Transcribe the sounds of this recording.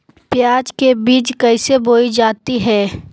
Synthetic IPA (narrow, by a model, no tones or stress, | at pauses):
pjaːd͡ʒkebiːt͡ʃkɐɪseboːid͡ʒaːt̪iɦɛː